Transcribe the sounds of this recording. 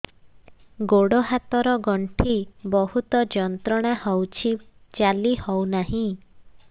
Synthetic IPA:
ɡoɽɔɦat̪ɔɾɔɡɔɳʈʰibɔɦut̪ɔd͡ʒɔnt̪ɾɔɽ̃ahɔwt͡ʃʰit͡ʃalihɔwnaɦĩ

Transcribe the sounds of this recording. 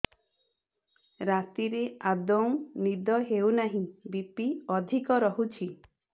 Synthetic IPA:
ɾat̪iɾead̪ɔw̃nid̪ɔɦeunaɦĩbipiɔd̪ʱikɔɾɔɦut͡ʃʰi

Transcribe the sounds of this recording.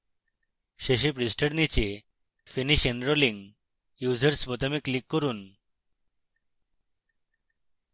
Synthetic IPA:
ʃeʃ̬epɾisʈaɾnit͡ɕe | finiʃenɾoliŋ | juzeɾsbot̪amiklikːoɾun

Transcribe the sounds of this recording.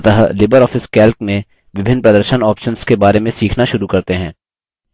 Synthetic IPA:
t̪əɦlɪbəɾɔːfɪskɛːlknẽ | ʋɪbʱɪnːpɾɐd̪əɾʃənɔːpʃənskebaːɾemẽsiːkʰnaʃʊɾukɐɾt̪eɦɛ̃ː

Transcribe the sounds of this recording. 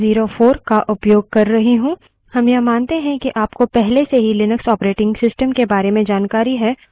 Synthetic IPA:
ziːɾofoːɾkaʔʊpjoːɡ̚kɐɾːɐɦiɦũː | hɐmjɐmaːnt̪eɦɛ̃kiʔaːpkopɛɦleseɦilɪnəksɔːpɾeːʈɪ̃ŋɡsɪsʈəmkebaːɾemẽd͡ʒaːnkaːɾiɦɛː

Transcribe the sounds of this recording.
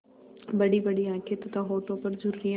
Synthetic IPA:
bɐɽiːbɐɽiãːkʰet̪t̪ãɦoːʈõːpɐɾzʊɾuːɾiã

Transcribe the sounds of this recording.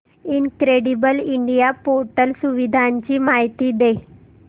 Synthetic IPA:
inkɾeɽibəliɳɖijapoɾʈəlsuʋid̪ʱaɲt͡ɕiːmaɦit̪iːd̪e

